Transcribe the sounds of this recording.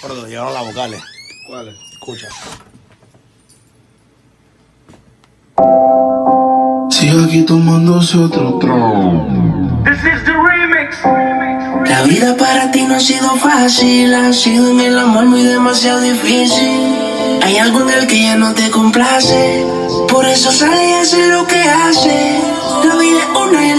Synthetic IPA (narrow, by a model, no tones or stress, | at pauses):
siakit̪omãnd̪osot̪ɾot̪ɾo | ðɪsɪzəɹimɪks | laβiðɐpaɾat̪inõsiðʊfasilasiðoŋelamomujðemasjaðʊðifisil | ajalɣũmewkejanõt̪ekõmplaseɾ | poɾesosaleaseɾokease | laβiðaone